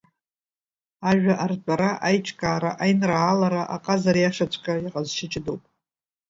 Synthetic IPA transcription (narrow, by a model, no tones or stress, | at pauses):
aʒʷᶣaʔart͡ɕʷʼaɾaʔajt͡ʃʰʼkʼaːɾaʔajnralaɾaʔaqʼazarjaʂat͡ʃʷʰʼkʼaaqʼazʃɪt͡ʃʼɪdowpʼ